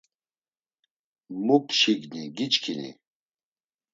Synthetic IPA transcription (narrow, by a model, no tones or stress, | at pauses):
mupʃiɡniɡit͡ʃkʰinḭ